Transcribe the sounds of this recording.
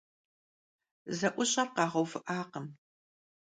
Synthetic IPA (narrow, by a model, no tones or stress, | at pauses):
zɐʔʷʊɕʼɐrqɑːʁɐwfɨʔaːqəm